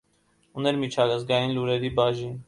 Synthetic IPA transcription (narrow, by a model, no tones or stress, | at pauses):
unɛɾmit͡ʃʰɑləzɡɑjinluɾɛɾibɑʒin